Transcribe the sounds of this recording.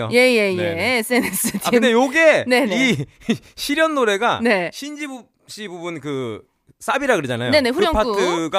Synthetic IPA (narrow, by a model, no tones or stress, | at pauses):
oje̞je̞jees͈ɯenesʰɯtʰaiɯnd̪ejoɡe̞ne̞nei | ɕʰiɾjʌnːoɾe̞ɡane̞ɕʰind͡ʑibu | ɕ͈ibubunkɯ | s͈abiɾaɡɯɾɯd͡ʑana̰jone̞ne̞ɸuɾjʌŋpʰatʰɯɡa